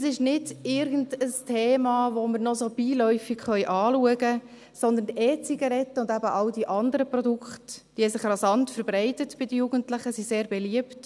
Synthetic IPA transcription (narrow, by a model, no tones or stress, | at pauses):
sɪʃnɪdɪɾɡən̩dəstʰeːmɑːʋoməɾnɔsob̥iːlœʏfiɡχœʏʔɑːluəɡə | sɔnd̪əntɛːt͡siɡɑɾɛtːəʊndæbəʔɑwdiʔɑndəɾəpɾrɔdukχtd̥ihɛsɪχrɑzɑntfɛɾb̥ɾɛɪtətb̥ɪdəjuːɡ̥əntlɪχəsiseːɾbɛliəpt